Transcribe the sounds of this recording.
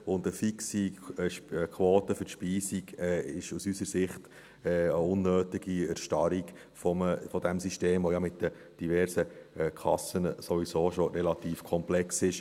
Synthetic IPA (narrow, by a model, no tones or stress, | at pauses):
ʊndəfiksiʃkʰwoːtəfʏɾʃpiːsiɡɛɪʃusysəɾsɪχt | ɛːəʊnːøːtɪɡiɛɾʃtɑɾiɡ | fɔməfɔdɛmsiʃteːmʋɔjɑmɪtdə | d̥ivɛɾsəɛkʰɑ̰sənsɔʋisoːʃoɾɛlɑt̪iːfkʰɔmplɛksɪʃ